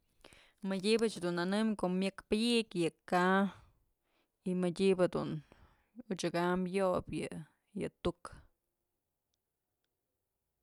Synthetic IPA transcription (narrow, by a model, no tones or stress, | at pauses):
mɨdʲibɨt͡ʃhd̪unanɨmkoʔmʲjɨkpɨjiʔkjɨka | imɨdʲibɨd̪ṵn | ut͡ʃɨkamjoʔpjɨ̰ | jɨt̪uk